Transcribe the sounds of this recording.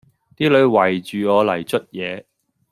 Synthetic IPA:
t̪iː˥lɵ˨˧ɥwɐ˨˩jt͡ʃyː˨ɔː˨˧lɐ˨˩jt͡ʃɵ˥t̚jɛː˨˧

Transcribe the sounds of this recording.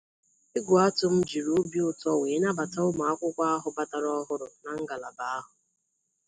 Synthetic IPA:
ɪ˦ɡʷʊ˨a˦tʊ˦m̩˦d͡ʒi˨ɾu˦bi˦ʊ˦tɔ˦we˨˦na˦ba˨ta˦ʊ˦ma˨a˦kʷʊ˦kʷa˦a˦ɦʊ˨ba˦ta˨ɾɔ˦ɦʊ˦ɾʊ˨na˨ŋ̩˦ɡa˨la˨ba˨˦a˦ɦʊ˨

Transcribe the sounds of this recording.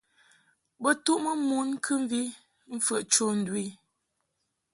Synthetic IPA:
bə˦tu˦ʔmə˦mu˦n˦kʰɨ˦ɱ˦vi˦ | m̩˦fə˦˨ʔt͡ʃo˦˨n̩˨dwi˦˨

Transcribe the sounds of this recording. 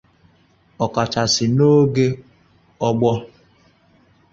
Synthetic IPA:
ɔ˨ka˨t͡ʃa˨sɪ˨no˦ɡe˦ | ɔ˦ɡ͡bɔ˦

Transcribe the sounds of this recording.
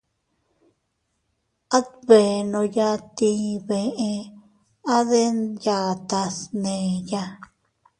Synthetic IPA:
a˦t̪βe˨nõ˧ja˦t̪ĩ˧βe˨ẽ˧ | a˦ðe˦nja˧˨t̪a˧snẽ˨ja˧

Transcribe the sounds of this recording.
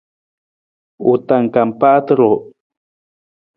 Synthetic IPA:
ut̪a˨ŋka˨mpa˦t̪ɾo˨

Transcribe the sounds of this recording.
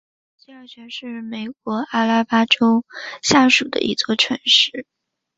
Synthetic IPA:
t͡ɕi˥a˥˩t͡ɕɥɛ˧˥nʂɻ̩˥˩me˨˩ɪk̚wɔ˧˥ʔa˥la˥pa˥ʈ͡ʂo˥ʊɕja˥˩ʂu˨˩d̪ə̰˦ʔḭ˧˥t͡swɔ˥˩ʈ͡ʂʰwə˧˥nʂɻ̩˥˩

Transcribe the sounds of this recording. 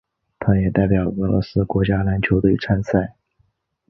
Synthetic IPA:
t̪ʰa˥jɛ˨˩t̪a˥˩ɪpjɑ˨˩ʊə˧˥lwɔ̰˧˥sɹ̩˥kwɔ˧˥t͡ɕja˥na˧˥nt͡ɕʰjo˧˥ʊd̪ə˧˩ḭ˧˥ʈ͡ʂʰa˥nsʰa˥˩ɪ

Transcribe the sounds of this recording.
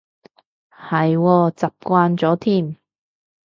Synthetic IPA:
hɐ˨jwɔː˧t͡sɐ˨p̚kʷaː˧nt͡sɔː˨˥t̪ʰiː˥˩m

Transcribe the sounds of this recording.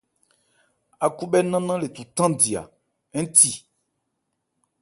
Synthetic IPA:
a˨ku˦bɛ˦nã˦nã˦le˨t̪u˨t̪ã˦di˨a̰˨ | ɛ̃˦n˦t̪i˨

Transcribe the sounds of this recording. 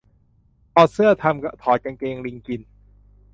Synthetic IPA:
ʔɔː˧˩sɯ˥˩ɐt̪ʰa˧mka˧˩t̪ʰɔː˦t̪̚ka˧nkeː˧ŋli˧ŋki˧n

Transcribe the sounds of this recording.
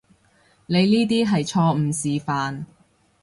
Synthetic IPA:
ne˨˧jniː˥t̪̬iː˥ɦɐ˨jt͡ʃʰɔː˧m̩˨˩siː˨faː˨n

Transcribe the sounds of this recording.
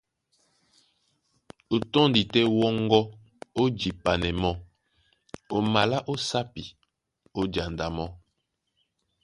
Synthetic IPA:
o˨tɔ˦ndi˨tɛ˦wɔ˦ŋɡɔ˦ | o˦d͡ʒi˨pa˨nɛ˨mɔ˦ | o˨ma˨la˦ʔo˦sa˦pi˨ | o˦d͡ʒa˨nda˨mɔ˦

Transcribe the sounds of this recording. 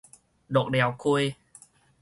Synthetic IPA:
ɗo˨˩˨k̚ɗɛ˨˦wku˧j

